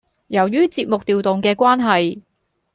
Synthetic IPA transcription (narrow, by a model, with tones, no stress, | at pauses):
jɐ˨˩wjɥyː˥t͡siː˧p̚mʊ˨k̚t̪iː˨˧wt̪ʊ˨ŋkɛː˧kʷaː˥nɦɐ˨j